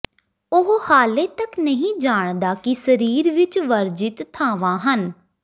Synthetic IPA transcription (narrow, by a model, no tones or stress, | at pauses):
ʊɦhaːleːt̪əknəɦĩːd͡ʒaːɳd̪aːkisəɾiːɾʋɪt͡ʃʋəɾd͡ʒɪt̪t̪ʰːãːʋãːɦən